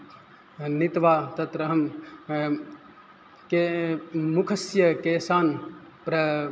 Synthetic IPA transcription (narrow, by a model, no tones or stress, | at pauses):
nit̪ʋaːt̪ɐt̪ɾəɦəm | kemukʰəsjɐkeːsaːnpɾɐ